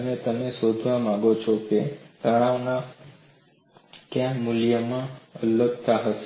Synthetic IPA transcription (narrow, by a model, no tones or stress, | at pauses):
əmet̪ənesod̪ʱʋãmãɡot͡ʃʰɔket̪əɭ̃aʋna | kjãmuljəmãələk̚t̪aɦəʃe